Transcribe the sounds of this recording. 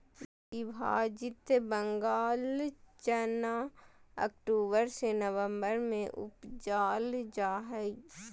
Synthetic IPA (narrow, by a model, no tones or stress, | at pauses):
ibʱa̰ːd͡ʒɪt̪bə̃ŋɡaːlt͡ʃənaə̰kʈoːbəɾsenəʋə̃mbəɾmẽʔʊ̰pd͡ʒaːld͡ʒaːɦəi